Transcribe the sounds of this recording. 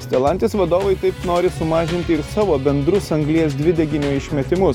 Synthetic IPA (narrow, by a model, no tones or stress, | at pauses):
sʲt̪ʲɛlˠɐˑnʲt̪ʲeːsʋɐd̪oːʋɐɪt̪ɐɪpnoːɾʲɪsʊmɑːʒʲɪnʲt̪ʲɪɪɾsɑːʋoːbʲɛnd̪ɾʊsɐŋɡlʲiɛs̬d̪ʲʋʲɪd̪ʲɛɡʲɪnʲuːɪʃʲmʲɛt̪ʲɪmʊs